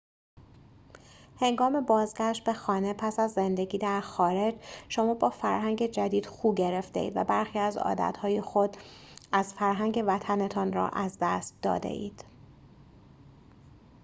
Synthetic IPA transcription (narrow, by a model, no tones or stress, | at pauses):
he̞ŋɡɒːme̞bɒːzɡæʃt̪̚be̞xɒːne̞pʰæsæzːe̞nd̪e̞ɟiːd̪æɾxɒːɾe̞d͡ʒʃomɒːbɒːfæɾɦæŋɟe̞d͡ʒæd̪iːd̪̥xuːɟe̞ɾe̞ft̪e̞̰ʔḭːd̪væ̰bæɾxiːæzɒ̰ːd̪æ̰t̪hɒːjexo̞d̪æz̥fæɾɦæŋɟe̞væt̪ʰænet̪ʰɒːnɾɒ̰ʔæzd̪æst̪̚d̪ɒ̰ːd̪ḛʔḭːd̪̥